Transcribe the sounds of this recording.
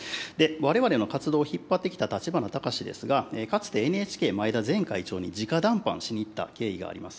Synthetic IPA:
d̪e̞βaɾe̞βaɾe̞no̞kat͡sɨd̪o̞ːçipːat̪ːe̞kʲi̥t̪at̪at͡ɕibanot̪akaɕid̪e̞̰sɨɡaeːkat͡sɨ̥t̪e̞ːnɯe̞ːt͡ɕi̥kʲe̞ːmaed̪azẽ̞ŋkait͡ɕo̞ːɲ̟id͡ʑikad̪ãmpã̰ɰ̃ɕiɲ̟it̪ːa̰ke̞ːiɡa̰ːɾḭmasɨ̥

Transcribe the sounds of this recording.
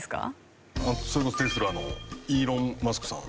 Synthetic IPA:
sɨ̥ka̰ | asoɾekost̪esɨɾɯ̟ano̞iːɾõ̞mmasɨ̥kɯ̟̥sã̰

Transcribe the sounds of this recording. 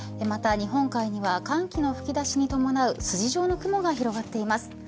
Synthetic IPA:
emat̪aɲ̟iɦõ̞ŋkaiɲ̟iβakãŋkʲino̞ɸɯ̟̥kʲid̪aɕiɲ̟it̪o̞mo̞naɯ̟sɨʑiʑo̞ːno̞kɯ̟mo̞ɡaçiɾo̞ɡat̪ːe̞imasɨ̥

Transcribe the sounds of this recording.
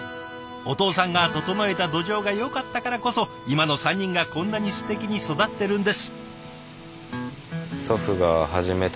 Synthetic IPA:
o̞t̪o̞ːsãŋɡat̪o̞t̪o̞noe̞t̪ad̪o̞ʑo̞ːɡajo̞kat̪ːakaɾako̞so̞ | imano̞sãɲ̟ʲːĩŋɡakõ̞nːaɲ̟isɨ̥t̪e̞kʲiɲ̟iso̞d̪at̪ːe̞ɾɯ̟̃nd̪e̞sɨ̥ | so̞ɸɯ̟ɡaɦaʑime̞t̪

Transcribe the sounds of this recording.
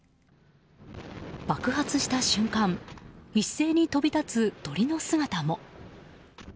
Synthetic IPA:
b̥akɯ̟ɦat͡sɨɕi̥t̪aɕɨ̃ŋkãmisːe̞ːɲ̟it̪o̞bʲit̪at͡sɨt̪o̞ɾʲino̞sɨɡat̪amo̞

